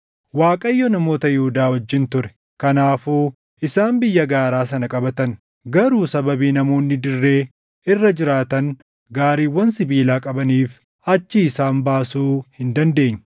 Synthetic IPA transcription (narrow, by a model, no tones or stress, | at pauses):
waːkʼɐjːɔnɐmo̞ːt̪ɐjɪhʊd̪aːwɔd͡ʒːɪnt̪ʊɾɛ̥ | kɐnaːfuː | ʔɪsaːmbɪjːɐɡaːɾaːs̬ɐnɐkʼɐbɐt̪ɐn | ɡɐɾuːsɐbɐbiːnɐmo̞ːnːɪd̪ɪrːe̞ː | ɪrːɐd͡ʒɪɾaːt̪ɐn | ɡaːɾiːwːɐnsɪbiːlaːkʼɐbɐniːf | ɐt͡ʃːɪːsaːnbaːsuːhɪnd̪ɐnd̪e̞ːɲːɐ